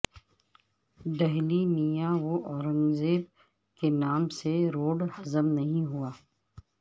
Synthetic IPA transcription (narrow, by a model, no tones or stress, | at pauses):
d̪ɛɦlinijãʋoʔɔːɾə̃mzeːb̚ | kenaːmseɾoːɖhɐzəmnɐɦĩɦuaː